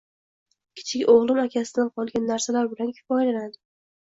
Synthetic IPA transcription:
kʲʰɪ̥t͡ʃʰɪkʲoʁlˠɪmakʲʰasɪd̪anqʰɒlˠɡʲanːaɾsalaɾbɪlankʲʰʊ̥fɒɪlanad̪ɪ

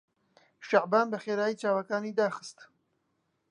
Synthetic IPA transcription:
ʃaʕbaːnbəxeːɾaːjiːt͡ʃaːwakaːniːd̪aːxɨ̥st̪

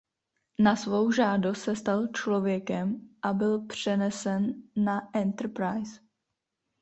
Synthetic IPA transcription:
nasvo̞wʒaːdost̪sɛst̪alt͡ʃlo̞vjɛkɛmʔabɪlpr̝̥ɛnɛsɛnːaʔɛnt̪ɾ̩pɾajs

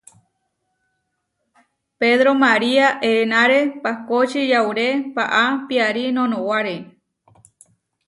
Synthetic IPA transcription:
peðɾomaɾiaʔenãɾepakot͡ʃijawɾepaʔapiaɾinõnõwaɾe

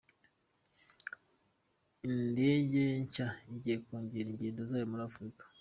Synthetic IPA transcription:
inde̞ːɟeɲcaiɟihekoːɲɟiɾiɲɟiːndozaːjomuɾaːfuɾikḁ

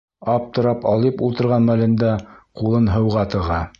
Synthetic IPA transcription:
ɑp̚t̪ŏɾɑpɑlˠipulˠt̪ɤ̆ɾʁɑnmælɘ̆nd̪æqulˠɤnɦɤ̆wʁɑt̪ɤ̆ʁɑ

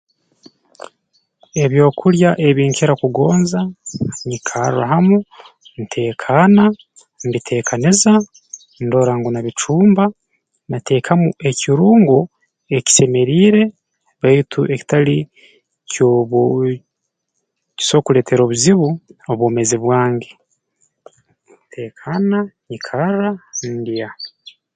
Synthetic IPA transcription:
e̞βjo̞ːkʰuɾjaʔe̞βiːŋkeɾakuɡo̞ːnzaɲikʰaɾṵa̰ɦamu | nitʰe̞ːkʰana | nbitʰe̞ːkʰaniza | ndo̞ːɾaŋɡunaβit͡ʃuːmba | nate̞ːkʰamuʔe̞cʰiɾuːŋɡo | e̞ci̥se̞me̞ɾiːɾe̞ | βaitʰuʔe̞ci̥tali | coβ | ci̥so̞kule̞ːtʰe̞ɾo̞ːβuziβuoβwoːmeziβwaːŋɡe | ntʰe̞ːkʰanaɲikʰaɾandija

